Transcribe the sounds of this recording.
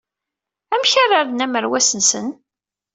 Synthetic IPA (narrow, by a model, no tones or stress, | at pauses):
æmçarːaɾðnæməɾwæsənsən